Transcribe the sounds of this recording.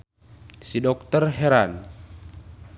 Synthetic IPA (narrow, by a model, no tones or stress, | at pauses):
sidɔk̚t̪ərɦɛɾan